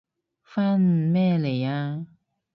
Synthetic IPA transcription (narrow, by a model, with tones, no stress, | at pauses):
fa˦n̩˨mɛ˥˦˨le˨ja˦